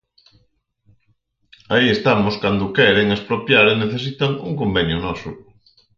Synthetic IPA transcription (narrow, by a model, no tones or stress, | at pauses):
aiest̪amoskand̪ʊkɛɾeŋespɾopjaɾeneθes̬it̪aŋuŋkombɛnjʊnɔsʊ